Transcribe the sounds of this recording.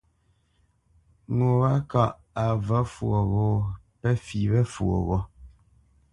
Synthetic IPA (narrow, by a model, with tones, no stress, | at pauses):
ŋo˨ɣa˦ka˦˨ʔ | a˨və˦fwo˨ɣɔ˦pɛ˦fi˨bɛ˦fwo̰˨ɣɔ˦